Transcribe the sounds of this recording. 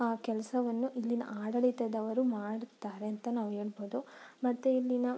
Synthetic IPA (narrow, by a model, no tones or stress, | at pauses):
aːkɛlɐsɐʋɐnːuʔilːinɐ̰ʔaːɽɐɭit̪ɐd̪ɐʋɐɾumaːɽt̪ːaːɾeɐnt̪ɐnaːʋueːɽboːd̪umɐt̪ːuilːinɐ